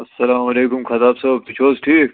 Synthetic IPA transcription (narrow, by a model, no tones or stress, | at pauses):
ɐsːɐlaːmɐleːkʊmkʰɐt̪aːbsɐːb̚t̪ut͡ʃʰoːzʈʰiːk̚